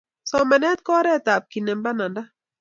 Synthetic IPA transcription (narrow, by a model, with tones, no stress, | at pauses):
sɔ˨mɛ˨nɛ˦t̪̚kɔ˦ɾɛ˦t̪a˨p̚ki˨nɛ˨mba˦na˨nda˦